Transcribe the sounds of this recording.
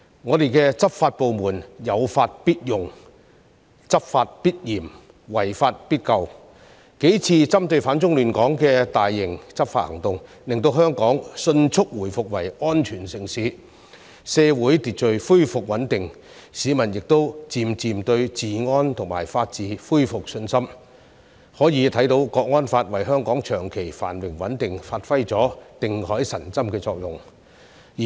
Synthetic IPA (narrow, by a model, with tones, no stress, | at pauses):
ŋɔː˨˧t̪e˨jkɛː˧t͡sɐ˥p̚faː˧t̚po˨wmuː˨˩njɐ˨˧wfaː˧t̚piː˥t̚jʊ˨ŋ | t͡sɐ˥p̚faː˧t̚piː˥t̚jiː˨˩m | wɐ˨˩jfaː˧t̚piː˥t̚kɐ˧w | ke˨˥jt͡sʰiː˧t͡sɐ˥mt̪ɵ˧ɥfaː˨˥nt͡sʊ˥ŋlyː˨˩nkɔː˨˥ŋkɛː˧t̪aː˨jːɪ˨˩ŋt͡sɐ˥p̚faː˧t̚hɐ˨˩ŋt̪ʊ˨ŋ | lɪ˨ŋt̪o˧wɦœː˥ŋkɔː˨˥ŋsɵ˧nt͡sʰʊ˥k̚wuː˨˩jfʊ˨k̚wɐ˨˩jɔː˥nt͡ʃʰyː˨˩nsɪ˨˩ŋsiː˨˥ | sɛː˧wuː˨˥jt̪iː˨t̚t͡ʃɵ˨ɥfuː˥jfʊ˨k̚wɐ˨˥nt̪ɪ˨ŋ | siː˨˥mɐ˨˩njɪ˨k̚t̪o˥wt͡siː˨˧mt͡siː˨˧mt̪ɵ˧ɥt͡siː˨ŋɔː˥nt̪ʰʊ˨˩ŋmaː˨˩jfaː˧t̚t͡siː˨˥fuː˥jfʊ˨k̚sɵ˧nsɐ˥m | hɔː˨˥jiː˨˧t̪ʰɐ˨˥jt̪o˨˧wkɔː˧k̚ŋɔː˥nfaː˧t̚wɐ˨˩jɦœː˥ŋkɔː˨˥ŋt͡ʃʰœː˨˩ŋkʰe˨˩jfa̰ː˨˩nwɪ˨˩ŋwɐ˨˥nt̪ɪ˨ŋfaː˧t̚fɐ˥jt͡sɔː˨˥t̪ɪ˨ŋhɔː˨˥jsɐ˨˩nt͡sɐ˥mkɛː˧t͡sɔː˧k̚jʊ˨˩ŋ | jiː˨